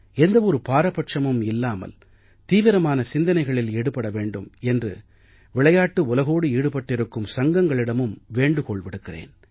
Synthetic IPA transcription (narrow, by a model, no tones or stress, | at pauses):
ɛnd̪ɐʋɔɾɯpaːɾɐpɐʈʂɐmɯmɪlːaːmɐ̰l | t̪iːʋɪɾɐmaːnɐsɪnd̪ɐnɐɪɣɐɭɪleːɽɯpːɐɽɐʋeːɳɖɯmɛndrɯ̰ | ʋɪɭɐjaːʈːɯʊlɐɣoːɽɯiːɽɯpɐʈːɪɾɯkːɯmsɐŋɡɐŋɡɐɭɪɽɐmɯmʋeːɳɖɯkɔɭʋɪɽɯkːɪrḛːn